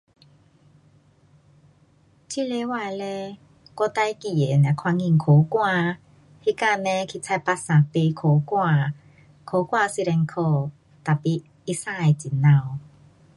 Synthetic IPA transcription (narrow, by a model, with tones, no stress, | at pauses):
t͡ɕʰi˦˧˨le˧˦wa˧˨e˨˧le˦ | kɔ˧t̪a˧˦jki˨˩e˨na˨˩kʰwa˧ŋi˧˨ŋkʰo˨˦kwa˥˧˨ | hi˦ka˥˧nẽ˧˦kʰi˧˨t͡sʰa˧˨jpa˦sã˨pe˧kʰo˨˦kwa˥˧˨ | kʰo˨˦kwa˥˧˨si˦˧˨ɾɛ˧ŋkʰo˥˧ | t̪a˨˩pi˧ | i˦sa˧˨e˨t͡ɕi˨˩nã˧˨w